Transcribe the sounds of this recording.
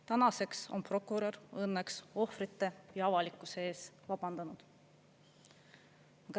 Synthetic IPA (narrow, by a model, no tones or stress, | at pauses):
t̪ænɑse̞kso̞̰npro̞kːˑuɾorɤnːekso̞frit̪ːe̞jɑɑvɑlikːˑusee̞ːsvɑb̥ɑnd̪̥ɑnud̪̥ | ɑɡ̥ɑ